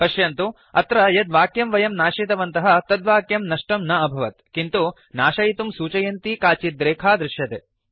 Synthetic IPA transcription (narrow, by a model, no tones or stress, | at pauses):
pɐʃjɐnt̪u | ɐ̰t̪ɾɐjɐd̪ʋaːkjɐmʋɐjɐmnaːʂet̪ɐʋɐnt̪ɐɦɐ̆t̪ɐd̪ʋaːkjɐmnɐʂʈɐmnɐɐbʱɐʋɐt̪kint̪u | naːʃɐjit̪umsuːt͡ʃɐjɐnt̪ikaːt͡ʃid̪ɾeːkʰaːd̪ɾɪʃjɐt̪eː